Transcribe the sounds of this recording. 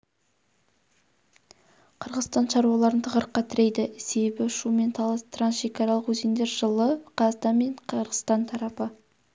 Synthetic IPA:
qʰəɾʁəzst̪ɑnʃɑɾuwɑlˠɑɾənt̪ʰəʁəɾəqːɑt̪ʰʏɾejd̪ɪse̞be̞bɪʃume̞nt̪ʰɑlˠɑst̪ransʃe̞kɑɾɑlˠəqwɵzend̪e̞ɾʒəlˠəqʰɑzd̪ɑnme̞ɴqʰəɾʁəst̪ɑnt̪ʰɑɾɑpə

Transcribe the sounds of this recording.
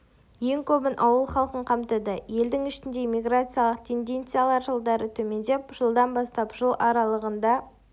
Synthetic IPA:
je̞ŋkʲʰɵbɪnʔɑwəlˠχɑlˠqəɴqʰɑmt̪əd̪əje̞ld̪ɪŋɪʃɪnd̪e̞mʲijɡrat̪sɨjalˠəq̚t̪ʰe̞nd̪e̞nt̪sɨjalˠɑɾʒəlˠd̪ɑɾət̪ʰɵme̞nd̪e̞pʒ̥əlˠd̪ɑnbɑst̪ɑpʒ̥əlˠʔɑɾɑlˠəʁənd̪ɑ

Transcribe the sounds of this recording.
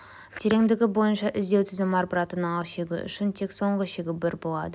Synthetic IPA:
t̪ʰeɾe̞ŋd̪ɪɡʲɪbo̞jənʃɑʔɪzd̪ewt̪ʰɪzɪmɑɾbəɾɑt̪ənəɴɑʃe̞ɡʲɪ̰ʔʏ̰ʃɪnt̪ʰe̞kso̞ɴʁəʃe̞ɡʲɪbɪɾbo̞lˠɑ̰d̪ə

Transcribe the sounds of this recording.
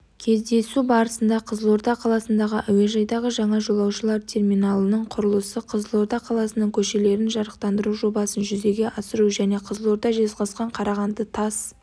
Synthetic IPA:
kʲʰe̞zd̪e̞subɑɾəsənd̪ɑqʰəzəlˠo̞ɾt̪ɑqʰɑlˠɑsənd̪ɑʁəʔæwe̞ʒɑjd̪ɑʁəʒɑɴɑʒo̞lˠɑwʃəlˠɑɾt̪ʲʰe̞rmijnɑlˠənəɴqʰʊɾəlˠəsəqʰəzəlˠo̞ɾt̪ɑqʰɑlˠɑsənəŋkʲʰɵʃe̞le̞ɾɪnʒɑɾəqt̪ɑnd̪əɾuʒo̞bɑsənʒʏze̞ɡʲe̞ʔɑsəɾuʒæne̞qʰəzəlˠo̞ɾt̪ɑʒe̞zqɑsqɑɴqʰɑɾɑʁɑnd̪ət̪ʰɑs

